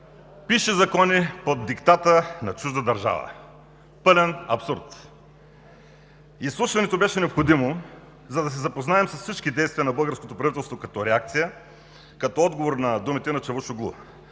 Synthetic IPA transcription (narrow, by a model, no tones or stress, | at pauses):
piʃɛzɐkɔnipod̪ːikt̪at̪ənɐt͡ʃuʒd̪əd̪ɐɾʒa̰və̰ | pɤlɛnɐpsuɾt̪ | islˠuʃvɐnɛt̪obɛʃɛnɛopxod̪imo | zɐd̪ɐs̬ɛzɐpoznaɛmsɐsfsit͡ʃkid̪ɛjst̪vijənɐbɤlˠɡəɾskot̪opɾɐvit̪ɛlˠst̪vokɐt̪ɔɾɛak̚t̪sijə | kɐt̪ɔɔd̪ɡovoɾnɐd̪umit̪ɛnɐt͡ʃɛvuʃʊɡlˠṵ